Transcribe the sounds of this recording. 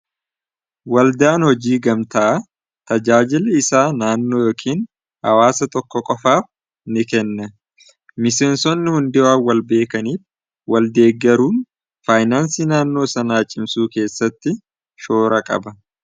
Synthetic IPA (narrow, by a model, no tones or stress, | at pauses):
wɐld̪aːnhɔd͡ʒiːɡɐmt̪ɐʔɐ | t̪ɐd͡ʒaːd͡ʒɪlɛɪsaːnaːnːo̞ːjoːkʰiːn | hɐ̰waːsɐt̪ɔkːɔkʼɔfaːf | nɪkɛnːɐ | mɪse̞ːnsɔnːɪhʊnd̪ɪwaːwɐlbe̞ːkɐniːf | wɐld̪e̞ːɡːɛɾuːn | faːjnaːnsiːnaːnːo̞ːsɐnaːt͡ʃʼɪmsuːke̞ːsːɐt̪ːɪ | ʃo̞ːɾɐkʼɐ̰bɐ